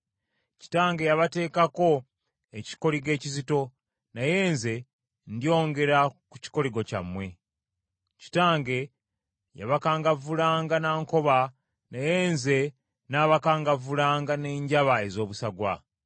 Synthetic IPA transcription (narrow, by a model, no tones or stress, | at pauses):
ci̥taːŋɡe̞jaβate̞ːkako̞ | eci̥ko̞ɾiɡe̞ːcizito̞ | naje̞ːnze̞ | ndijo̞ːŋɡe̞ɾaku̥ci̥ko̞ɾiɡo̞ca̰mːwe̞ | ci̥taːŋɡe̞ | ja̰βakaːŋɡavulaːŋɡanaːŋko̞βa | naje̞ːnze̞ | naβakaːŋɡavulaːŋɡane̞ːɲɟaβae̞zo̞ːβusaɡwa̰